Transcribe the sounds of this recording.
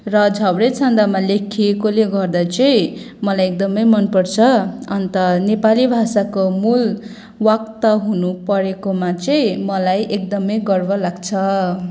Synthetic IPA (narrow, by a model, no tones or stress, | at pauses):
rʌd͡zʱʌbɽet͡sʰʌnd̪amalekʰekoleɡʌrd̪at͡sʌĩ | mʌlajek̚d̪ʌmʌjmʌnpʌrt͡sʰʌʌnt̪ʌnepalibʱasakomul | wakt̪ʌɦunupʌɾekomat͡sʌĩmʌlajʔek̚d̪ʌmʌjɡʌrbʌlaɡt͡sʰʌ